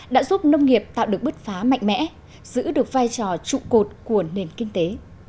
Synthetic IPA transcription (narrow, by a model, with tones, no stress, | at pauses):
ɗa̰ː˧˥zu˦˥p̚nə˧wŋ͡mŋi˨˩əp̚t̪a̰ː˧˨wɗɨ˨˩ək̚ɓɨ˦˥t̚faː˨˦ma̰˧˨jŋ̟mɛ̰˧˥ | z̥ɨ̰˧˥ɗɨ˨˩ək̚vaː˧jt͡ɕɔ˨˩t͡ɕṵ˧˨ko˨˩t̚ku˧˩əne˨˩nkï˧ŋ̟t̪e˨˦